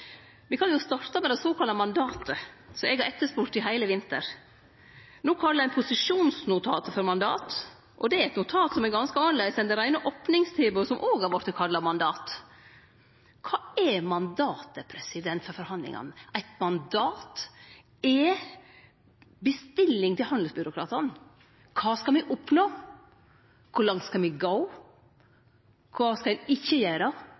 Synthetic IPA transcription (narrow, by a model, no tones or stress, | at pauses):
ʋɪkʰɑnjʊst̪ɑɾt̪ɑmɛd̪ɛsoːkʰɑlːɑmɑnd̪ɑːt̪ə | sɔɛɡhɑɾɛt̪ːəʂpuːɾʈ̪ɪɦæɪləʋɪnt̪ə̰ɾ | nuːkʰɑlːəæɪpʰʊsɪʂuːnsnʊt̪ʰɑːt̪əfɔɾmɑnd̪ɑ̰ːt̪ | ʔɔd̪ɛæɾɛt̪nʊt̪ʰɑːt̪sɔmɛɾɡɑnskəɑːnleɡsɛnd̪ɛɾæɪnəʔɔpnɪŋst̪ʰeːbəsɔmʔoːɡhɑɾʋɔɾt̪əkʰɑlːɑmɑnd̪ɑːt̪ | kʰɑːɛmɑnd̪ɑːt̪əpʰɾɛsɪd̪ɛnt̪fɔɾfɔɾhɑnd̪lɪ̰ŋɑ̰næɪt̪mɑnd̪ɑːt̪ | ɛ | bəst̪ɪlːɪŋt̪ʰɪlhɑnd̪l̩sbʏɾʊkʰɾɑ̰ːt̪ɑn | kʰɑːskɑlmɪʔɔpnoː | kʰʊɭɑŋt̪skɑlmɪɡɑʊ | kʰʋɑːskɑɛɪçːəjæːɾə